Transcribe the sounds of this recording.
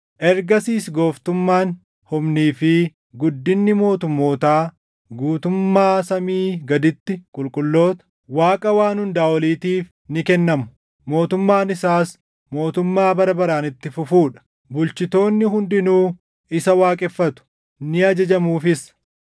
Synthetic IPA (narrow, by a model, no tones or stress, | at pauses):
ʔɛɾɡɐsiːsɡo̞ːft̪ʊmːaːn | hʊmniːfɪ | ɡʊd̪ːɪnːɪmo̞ːt̪ʊmːo̞ːt̪aː | ɡuːt̪ʊmːaːsɐmiːɡɐd̪ɪt̪ːɪkʼʊlkʼʊlːo̞ːt̪ɐ̥ | waːkʼɐwaːnhʊnd̪aːwɔliːt̪iːf | nɪkɛnːɐmʊ̥ | mo̞ːt̪ʊmːaːnɪsaːs | mo̞ːt̪ʊmːaːbɐɾɐbɐɾaːnɪt̪ːɪfʊfuːᶑɐ̥ | bʊlt͡ʃɪt̪o̞ːnːɪɦʊnd̪ɪnuː | ɪsɐwaːkʼɛfːɐt̪ʊ̥ | nɪɐd͡ʒɐd͡ʒɐmuːfɪs